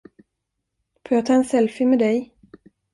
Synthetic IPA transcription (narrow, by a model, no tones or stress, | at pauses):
foːjɑːt̪ʰɑːɛnsɛlfɪmɛːd̪ɛj